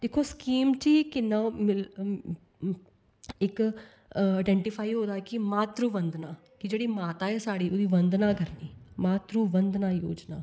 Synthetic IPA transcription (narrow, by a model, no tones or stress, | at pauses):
d̪eːkʰːoːskiːmt͡ʃiːkɪnːãːmɪl | ɪk | aːɖɛ̃ːɳʈɪpʰaːiːɦoːd̪aːkɪmaːt̪ɾoːʋənd̪naː | kɪd͡ʒeːɽiːmaːt̪aːɛːsaːɽiːoːd̪iːʋənd̪naːkəɾniːmaːt̪ɾoːʋənd̪naːjoːd͡ʒnaː